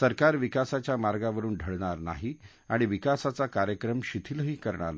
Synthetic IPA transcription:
səɾkaɾʋikasat͡ɕjamaɾɡaʋəɾuːnɖʱəɭɳaɾna̰ɦi | aɽ̃iʋikasat͡sakaɾjəkɾəmɕit̪ʰiləɦiːkəɾɳa̰ɾn

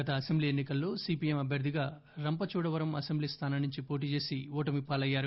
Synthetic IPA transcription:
ɐt̪ɐɐsembliːenːikɐlːo̞ːsiːpiːemɐbʱjɐɾd̪ʱiɡaː | ɾɐmpɐt͡ʃuːɽɐʋɐɾɐmɐsembliːst̪ʰaːnanuɲt͡ʃipo̞ːʈ̬iːt͡ʃe̞ːsiɔːʈɐmipːaːlɐjːaːɾu

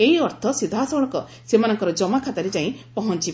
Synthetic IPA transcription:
eɦiɔɾt̪ʰɔsid̪ʱasɔɭ̃ɔkɔ | semanɔŋkɔɾɔd͡ʒɔmakʰat̪aɾed͡ʒaĩpɔɦɔnt͡ʃi

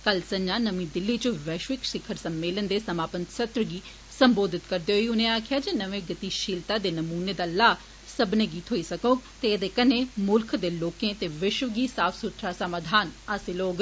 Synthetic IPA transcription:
kəlsəɲd͡ʒãːnəmĩːd̪ɪlːiːt͡ʃəʋɛːʃʋɪkʃɪkʰəɾsəmːeːlənd̪eːsəmaːpənt̪sət̪ɾəɡiː | səmboːd̪ɪt̪kəɾd̪eːɦoiːʊnẽːaːkʰɪjaːd͡ʒeːnəʋẽːɡət̪iːʃiːlt̪aːd̪eːnəmuːneːd̪aːlaː | səbneːɡiːt̪ɦoːiːsəkõːt̪eːed̪eːkənẽːmʊlkʰd̪eːloːkẽːt̪eːʋɪʃʋəɡiːsaːpʰsʊt̪ʰɾaːsamaːd̪ʱaːnaːsiloːɡ

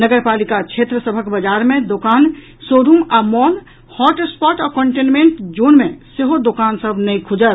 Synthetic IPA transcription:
nəɡəɾpalikat͡ʃʰet̪ɾəsəbʱəkbəd͡ʒaɾmẽd̪okan | soɾumamɔn | hɔʈspɔʈɔkəɳʈenmeɳʈd͡ʒonmẽseɦod̪okansəbʱnɛjkʰud͡ʒət̪

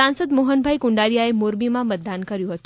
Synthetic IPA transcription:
ãnsəd̪moɦənbʱaikuɳɖaɾijaemoɾmimãmət̪̚d̪ankəɾjuɦət̪u

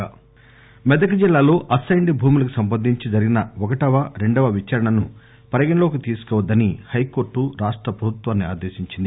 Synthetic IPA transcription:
mɛd̪ɐkɐd͡ʒilːaːlo̞ːʔɐsɐjɳɖibʱuːmulɐk̬usɐmpɐd̪ʱːiɲt͡ʃid͡ʒɐɾiɡinɐɔkɐʈɐʋɐɾe̞ɳɖɐʋɐʋit͡ʃɐɾɐɳɐnu | pɐɾɐɡinloːkit̪iːsu̥kɔːʋɐd̪ːɐnihɐjko̞ːɾʈːuɾaːʂʈɾɐpɾɐbʱut̪ʋaːnːia̰ːd̪eːʃiɲt͡ʃind̪i

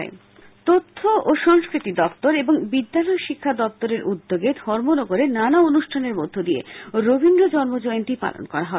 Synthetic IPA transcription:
e | t̪ot̪ʰːoʔoʃɔŋskɾit̪id̪ɔpt̪oɾeboŋbid̪ːalɔjoʃikʰːad̪ɔp̚t̪oɾeɾʔud̪ːoɡed̪ʱɔɾmonoɡoɾenanaonuʃʈʰaneɾmod̪ʱːod̪iḛɾobʱind̪ɾod͡ʑɔɾmod͡ʑojnt̪ipa̰lo̰nkɔɾaɦɔe

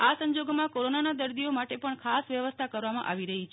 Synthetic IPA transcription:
asəɲd͡ʒoɡmãkoɾonanad̪əɾd̪iomaʈepəɳkʰasʋjəʋəst̪ʰakəɾʋamã̰ʔaʋiɾəɦit͡ʃʰ

